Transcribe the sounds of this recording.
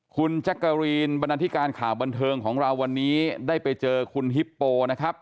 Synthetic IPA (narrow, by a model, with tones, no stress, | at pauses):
kʰu˧nt͡ɕʰa˦˥kːa˧ɾiː˧nba˧naː˧t̪ʰi˦˥kaː˧nkʰaː˨˩ba˧nt̪ʰɤː˧ŋkʰɔː˩˦ŋɾa˧wːa˧nːiː˦˥daː˥˩jpa˧jt͡ɕɤː˧kʰu˧nɦi˦˥pːoː˧na˦˥kʰɾa˦˥p̚